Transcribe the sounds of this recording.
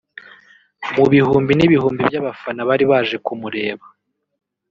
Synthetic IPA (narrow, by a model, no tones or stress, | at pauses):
muβihuːmbiniβihuːmbibjaβafanaβaɾiβaːʒe̞kumuɾe̞ːβa